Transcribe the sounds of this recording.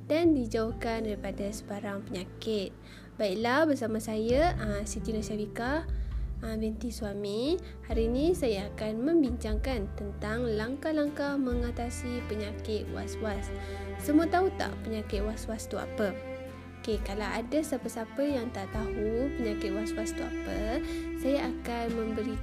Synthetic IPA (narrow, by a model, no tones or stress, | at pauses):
d̥andid͡ʒaohkandaɾipadasəbaɾaŋpəɲakɪt̪̚ | baiʔlahbərsamãsajamsit̪inasavika | bɛnt̪isuami | haɾinisajaːkanmə̃mbiɲt͡ʃaŋkant̪ənt̪aŋlaŋkalaŋkaməŋat̪asipəɲakɪt̪̚wa̰swasːəmuat̪aɦut̪a̰ʔpəɲakɪt̪̚waswast̪ua̰pə | kekalawa̰dasapəsapəjaŋt̪aʔt̪ahupəɲakɪt̪̚waswast̪ua̰pəsajaakanmə̃mbəɾi